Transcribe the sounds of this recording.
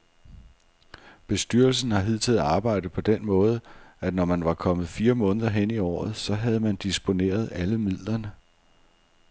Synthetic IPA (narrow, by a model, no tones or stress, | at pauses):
b̥e̝sd̥yɐ̰lsn̩hɑ̈ɦið̰ˠt͡sʰeðˠɑ̈ːb̥ɑ̈ɪ̰d̥əpʰɒ̽d̥enmɔ̽ːð̞ˠəænɒmænʋɑ̈kʰɒ̽mð̞̩ˠfiːɐmɔ̽ːnəðˠɐɦeniɒ̰ːð̞̩ˠsɒ̽ɦæð̞̩ˠmænd̥isb̥o̝ne̝̰ːɐð̞ˠæləmið̰ˠlɐnə